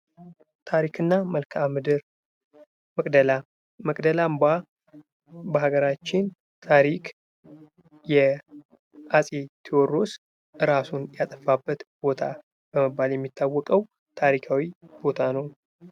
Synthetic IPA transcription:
t̪ʰaɾikʰɨnːaməlkʰamɨd̪ɨɾ | məkʼd̪əla | məkʼd̪əlamba | bəɦaɡəɾat͡ʃːɪn | t̪ʰaɾikʰʼ | jɛ | ʔasʼet̪ʰiɔrːo̞s | ʔɨɾasunjat̪ʼəfabːət̪b̥o̞t̪ʰa | b̥əməbːaljɛmːit̪ʰːawːɔkʼəw | t̪ʰaɾikʰawibo̞t̪ʰanəw

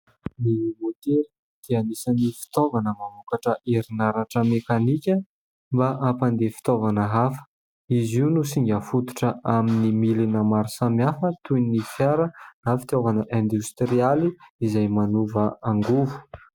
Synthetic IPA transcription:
nimot̪eɾi | t̪ianisanifi̥t̪ovanəmamukaʈ͡ʂəʔiɾinaɾaʈ͡ʂəmekanikʲə | mbaʔapand̪efi̥t̪ovanəɦafə̥ | iziunusiŋɡʲəfut̪u̥ʈ͡ʂəʔaminimilinəmaɾusamiafət̪unifjaɾənafi̥t̪ovanəʔɛ̃nd̪ust̪rialiizajmanuvəaŋɡuvu̥

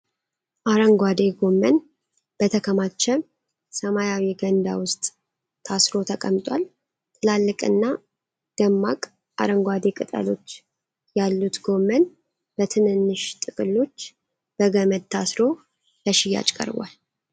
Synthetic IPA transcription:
ʔaɾəŋɡʷad̪e̞ɡo̞mːən | b̥ət̪ʰəkʰəmat͡ʃːɛ | səmajawiɡənd̪awʊst̪ʼːʰ | asɾo̞t̪ʰəkʼəmt̪ʼwal | t̪ʰʼɨlalːɨkʼɨ̰nːa | ɡ̥əmːakʼ | ʔa̰ɾəŋɡʷad̪ekʼɨt̪ʼə̰lo̞̰t͡ʃː | jalːut̪ɡo̞mːən | bət̪ʰɨnɨnːɨʃt̪ʼɨkʼɨlːo̞t͡ʃː | b̥əɡəməd̪̚t̪ʰasɾo̞ | ləʃɪjːa̰t͡ʃʼkʼə̰ɾba̰l

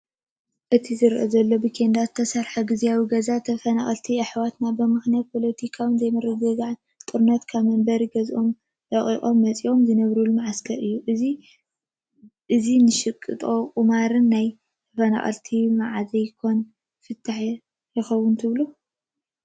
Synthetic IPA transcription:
ʔɨt̪ʰizɨɾʔɐzɐlːo̞bikʰend̪at̪ʰːɐsɐɾħaɡizijawiɡɐzat̪ʰɐfɐnaχʼɐlt̪ʰiɨħwat̪nabɨmɨxnjat̪̚pʰo̞lɐt̪ʰikʰawɨnzɐjmɨɾɨɡɐɡan | t̪ʼɨɾnɐt̪kʰaβmɐmbɐɾiɡɐzʔo̞m | dɐχʼḭχʼo̞mːɐt͡sʼiʔo̞mzɨnɐβɾulumaʕaskʰɐɾʔɨjːuʔɨzi | ʔɨzinɨʃɨkʼːɨ̰t̪ʼo̞kʼɨmaɾɨnːaj | t̪ʰɐfɐna̰χʼɐ̰lt̪ʰimaʕazɐjkʰo̞n | fɨt̪ʰːaħ | ɾɨxɐwunt̪ʰɨβlu

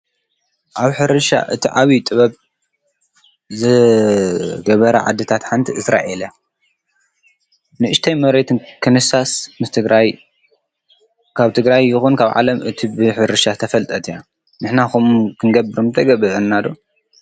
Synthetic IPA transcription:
ʔaβħɨɾɨʃa̰ʔɨt̪ʰiʕaβit̪ʼɨβɐβ | zɨ | ɡɐβɐɾɐʕa̰d̪ːɨt̪ʰat̪ħant̪ʰiɨsɾa̰ʔelja | nɨʔɨʃt̪ʰɐjmɐβɾet̪ʰɨnkʰɨnɨsasmɨst̪ʰɨɡɾaj | kʰaβt̪ʰɨɡɾajːɪxunkʰaβʕa̰lɐmɨt̪ʰibɨħɨɾɨʃat̪ʰɐfɐlt̪ʼɐt̪ʰija | nɨħnaxumkʰɨnɡɐbɨɾumt̪ʰɐɡɐβɨʔɨnːad̪o

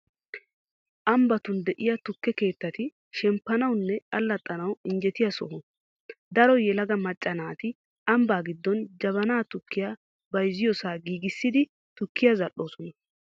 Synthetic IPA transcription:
ʔɐmbɐt̪ʊnd̪ɛʔɪjɐt̪ʊkːɛke̞ːt̪ːɐt̪ɪ | ʃɛmpːɐnɐwnːɛʔɐlːɐt̪ʼːɐnɐwɪnd͡ʒɛt̪ɪjɐsɔ̰hʊ | d̪ɐɾɔjɛlɐɡɐmɐt͡ʃʼːɐnaːt̪ɪ | ɐmbaːɡɪd̪ːɔnd͡ʒɐβɐnaːt̪ʊkːɪjaː | bɐjzːɪjɔsaːɡiːɡɪsːɪd̪ɪ | t̪ʊkːɪjazɐʔːo̞ːsɔnɐ

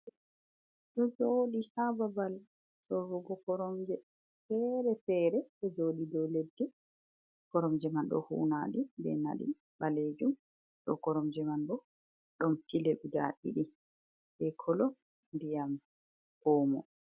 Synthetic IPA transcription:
ɗɔd͡ʒoɗihababal | ɗɔɾuɡɔkɔɾɔmd͡ʒɛ | fɛɾɛfɛːɾɛɗɔd͡ʒoːɗidɔledːɛ | kɔɾɔmd͡ʒɛmanɗɔ̰hṵnaːɗibɛ̰na̰ɗḭ | baled͡ʒum | ɗɔ̰kɔɾɔmd͡ʒɛmanɗɔ | ɗɔmfileɡuda̰ʔḭɗi | bɛkʰɔlɔ | ndijam | hɔːmɔ̰

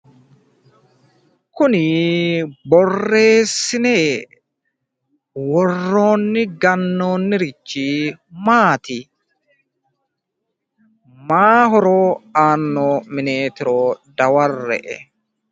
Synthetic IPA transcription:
kʊnɪ | bɔrːe̞ːsːɪneː | wɔrːo̞ːnːɪɡɐnːo̞ːnːɪɾɪt͡ʃːimaːt̪ɪ | maːɦɔɾoːaːnːoːmɪneːt̪ɪɾoːd̪ɐwɐrːɛ̰ʔɛ̰

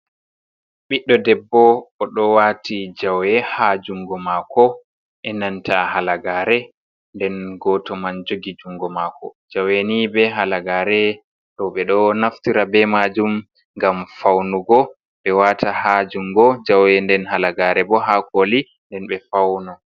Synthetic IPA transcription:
ɓiɗːɔdɛbːɔːɗɔwatid͡ʒawjɛhad͡ʒuŋɡɔmakɔ | ʔɛnantʰahalaɡaːɾɛ | ndɛnɡɔtɔmand͡ʒoɡid͡ʒuŋɡɔmakɔ̰d͡ʒawenibɛɦalaɡaːɾɛ | ɗɔɓɛɗɔnaftiɾabɛmad͡ʒum | ŋɡamfawnuɡɔ | ɓɛwatahad͡ʒuŋɡɔd͡ʒawɛndɛnhalaɡaːɾɛbɔɦakoli | ndɛnɓɛfawnɔ

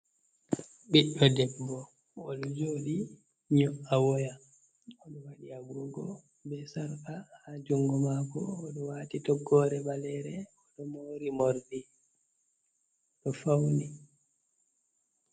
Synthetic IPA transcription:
ɓiɗːɔdɛbːɔ | ɔɗɔd͡ʒoːɗi | ɲɔʔawɔja | ɔɗɔwaɗiaɡɾɔɡɔ | bɛsaɾkahad͡ʒuŋɡɔmakɔ̰ːɗɔwaːtitɔɡːɔːɾɛɓalɛɾɛ | ɔɗɔmoːɾimoɾdi | ɗɔfawni

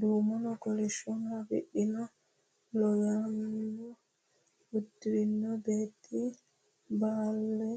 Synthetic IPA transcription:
dumɔnɔkɔlɛʃiɔnabḭɗːina | lɔjanːɔ | hutːiɾinːɔbetʰi | balːɛ

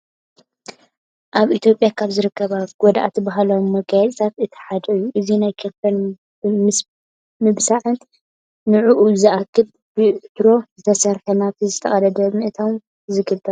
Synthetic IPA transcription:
ʔaβʔit̪ʰjo̞pʼjakʰaβzɨɾɨkʰːɐβaɡ̥ɔd̪a̰ʔat̪ʰibaɦalomːɐɡajɛt͡sʼt̪ʰat̪ɨt̪ʰi̥ħad̪ɐjːuʔɨzinajkʰeɾfʰɐn | m | mɨβsaʕɨnt̪ | nɨʕuʔuzɨʔakʰːɨl | b̥ɨʕt̪ɾo̞zɨt̪ʰɐsɐɾħɐnaβt̪ʰizɨt̪ʰɐχʼɐd̪ɐd̪ɐmɨʔɨt̪ʰom | zɨɡɨlt̪ʰʼɐ

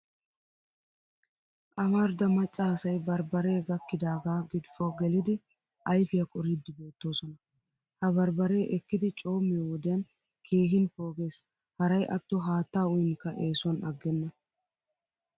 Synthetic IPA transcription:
ʔɐmɐɾd̪ɐmɐt͡ʃʼːɐɐsɐjbɐɾbɐɾe̞ːɡɐkːɪd̪aːɡaːɡɪd̪fɔɡɛlɪd̪ɪ | ɐjfɪjɐkʼɔɾɪd̪ːɪbe̞ːt̪ːo̞ːsɔnɐ | hɐbɐɾbɐɾe̞ːʔɛkːɪd̪ɪt͡ʃʼo̞ːmːɪjowɔd̪ɪjɐn | kʰeːhɪnpo̞ːɡe̞ːs | hɐɾɐjʔɐt̪ːɔɦaːt̪ːaːʊjɪŋkːɐʔe̞ːsɔnɐɡːɛnːɐ

